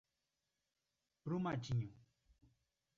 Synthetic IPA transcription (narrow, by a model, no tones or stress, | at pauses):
pɾumat͡ɕʰiɲũ